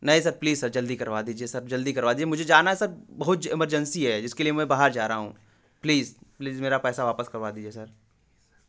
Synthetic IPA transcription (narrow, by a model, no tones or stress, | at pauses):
nɐɦĩsɐɾpliːzsɐɾd͡ʒɐld̪ikɐɾʋad̪iːd͡ʒiesɐɾd͡ʒɐld̪ikɐɾʋaːd̪iːd͡ʒiemʊd͡ʒʱed͡ʒaːnaɦɛsɐɾbɐɦʊt̪d͡ʒɪməɾd͡ʒə̃nsiɦɛd͡ʒɪskeliemɛ̃baːɦəɾd͡ʒaːɾaɦaɦṵ̃ː | pliːzpliːzmeːɾapɛːsaʋaːpəskɐɾʋad̪iːd͡ʒiesɐɾ